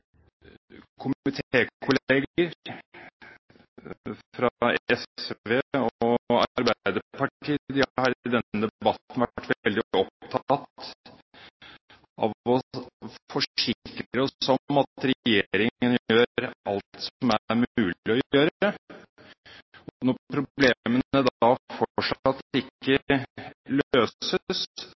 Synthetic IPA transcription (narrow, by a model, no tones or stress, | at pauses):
kʰʊmɪt̪ʰeːkʰʊleɡəɾ | fɾɑɛsʋeːɔɑ̰ɾbæd̪əpʰɑʈʰiːd̪ɪhɑɾɪd̪ɛnəd̪ɛbɑt̪nʋæʈːʋɛld̪ɪɔpt̪ʰɑt̪ | ʔɑ̰ʋɔfɔʂɪkɾɾəɔɔmɑt̪ɾɛjeɾɪŋənjjøːɾɑlt̪sɔmæɾmʉːlɪɔjjøːɾə | ɔɔnɔɾpʰɾʊblemənəd̪fɔɔʈʂɑt̪ɪkːə | løːsəs